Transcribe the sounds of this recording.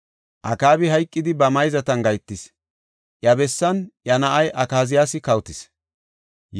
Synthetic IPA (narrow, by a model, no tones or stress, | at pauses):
ʔɐkaːbɪɦɐjkʼːɪd̪ɪbɐmɐjzɐt̪ɐnɡɐjt̪ːɪs | ʔjɐbɛsːɐnʔjɐnɐʔɐjʔɐkaːzɪjaːsɪkɐwt̪ɪs